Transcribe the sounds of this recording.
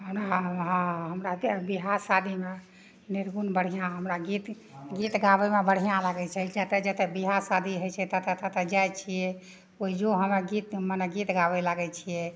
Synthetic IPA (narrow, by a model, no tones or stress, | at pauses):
ɦəmɾaɦɔ̃ɦəmɾabiɦasad̪ʱime | niɾɡunbəɽ̤ijãɦəmɾaɡit̪ | ɡit̪ɡaβɛmebəɽ̤ijãlaɡɛt͡ʃʰɛd͡ʒət̪ɛd͡ʒət̪ɛbiɦasad̪ʱiɦət͡ʃʰɛt̪ət̪ət̪ət̪ɛd͡ʒajt͡ʃʰijɛ | oid͡ʒoɦəmeɡit̪məneɡit̪ɡabɛlaɡɛt͡ʃʰijɛ